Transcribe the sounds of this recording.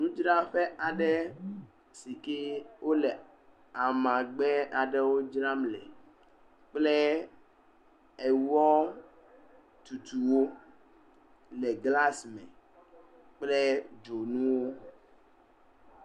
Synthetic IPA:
nũ˦d͡ʒɾa˦ɸɛ˦ʔa˨ɖɛ˦ | si˨ke˦wʔo˦lɛ˨ | a˨mã˨ɡ͡bɛ˦a˨ɖɛ˦wo˦d͡ʒɾa˦mlɛ̰˨ | k͡plɛ˦ | e˨wɔ˦ | t̪u˨t̪u˨wo˦ | lɛ˨ɡla˦smɛ̰̃˨ | k͡plɛ˦d͡ʒo˨nũ˦wo˦

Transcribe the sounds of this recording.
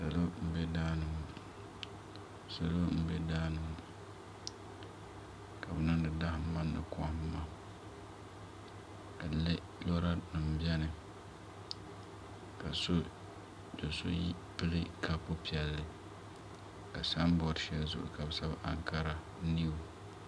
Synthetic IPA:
sa˨lo˦m̩˦bɛ˦daː˦nɨ˨ŋʊ˦ | sa˨lo˦m̩˦be˦daː˦nɨ˨ŋʊ˦ | ka˨bɨ˨nɨ˦ndɨ˨da˦hɪ˦ma˦nːɨ̰˨kʰɔ˦hɪ˦m˦ma˦ | ka˨le˦ | lɔ˦ɾa˦nɨ˨m̩˨bjɛ˦nɨ˨ | ka˨so˦ | jo˨so̰˦ji˦ | pɨ˦lɨ˦kʰa˦pʊ˦pi˨ɛ˨lːɨ˨ | ka˨sa˦m˦bɔ˨ɾʃɛ˦lzʊ̰˦ʔʊ̰˨ka˨bɨ˨sa˦bʔa̰˨ŋka˦ɾa˨˦ | ni˦ʊ˨

